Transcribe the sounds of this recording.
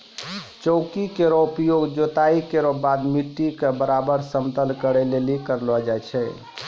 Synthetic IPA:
t͡ʃəʊkikeɾɔupjoɡd͡ʒot̪aikeɾɔbad̪miʈːikebəɾabəɾsəmt̪əlkəɾɛlelikəɾlɔd͡ʒajt͡ʃʰɛ

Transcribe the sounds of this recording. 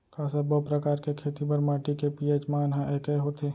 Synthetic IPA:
kãːsɐbopɾəkaːɾkekʰeːt̪ipɐɾmaːʈikepiet͡ʃmaːnɦãʔeːkeɦot̪eː

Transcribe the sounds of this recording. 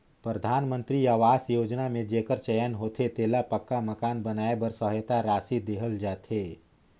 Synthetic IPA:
pɾəd̪ʱaːnmə̃nt̪ɾiaːʋaːsjoːd͡ʒnamẽd͡ʒeːkəɾt͡ʃɛjənɦoːt̪ʰet̪eːlapəkːaməkaːnbɐnaːebəɾsəɦjt̪aɾaːsid̪eːɦəld͡ʒaːt̪ɦeː

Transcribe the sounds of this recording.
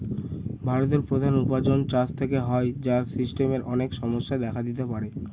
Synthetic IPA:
bʱaɾot̪̬eɾpɾod̪ʱanupad͡ʑont͡ɕast̪ʰekeɦɔed͡ʑaɾsisʈemeɾɔnekʃɔmoʃːad̪ɛkʰad̪it̪epaɾe

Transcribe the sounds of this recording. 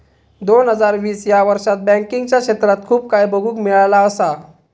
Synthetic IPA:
d̪onɦəd͡zaɾʋiːsjaʋəɾʂat̪̚bɛ̃ŋkiŋɡt͡ɕjakɕet̪ɾat̪̚kʰuːp̚kajbəɡʱuːkmiɭalaəsa

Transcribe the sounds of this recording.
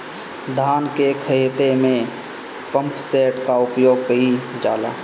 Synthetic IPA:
d̪ʱaːnkekʰəet̪emẽ | pə̃mpseːʈkaʊpjoːɡ̚kəid͡ʒaːlaː

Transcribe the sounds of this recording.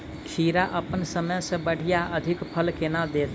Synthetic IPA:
t͡ʃʰiːɾaʔəpənsəməjsẽbəɽ̤ijaəd̪ʱɪkpʰəlkenad̪eːt̪

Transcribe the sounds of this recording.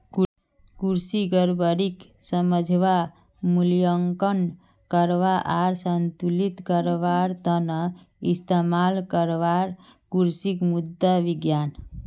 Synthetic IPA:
kuɾsiɡəɾbəɾik | səməd͡ʒʱʋa | mulijəŋkən | kəɾʋaʔaɾsənt̪ulit̪kəɾʋaɾt̪ənə | ist̪emalkəɾʋaɾ | kuɾsikmud̪ːaʋiɡjan

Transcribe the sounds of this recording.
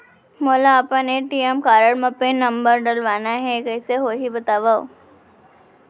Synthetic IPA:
moːlaːpaneʈiːemkaːɾəɽmɐpẽnɐmbəɾɖəlʋaːnaɦɛkɛːseɦoːɦibət̪aːʋao̰

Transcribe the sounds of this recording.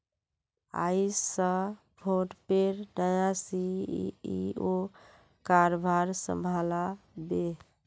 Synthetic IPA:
a̰isə | bʰʱoʈpeɾnəjãsiio | kaɾobʱaɾsə̰mbʱalabe

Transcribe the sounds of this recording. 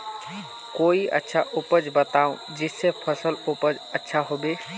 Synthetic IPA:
koiə̰tːʃʰaʔʊpəd͡ʒbət̪aʊ̃ | d͡ʒɪsepʰəsəlʊpəd͡ʒətːʃʰaɦobe

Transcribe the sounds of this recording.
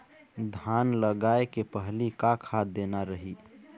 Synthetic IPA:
d̪ʱanləɡaekepəɦlikakʰad̪enaɾəɦi

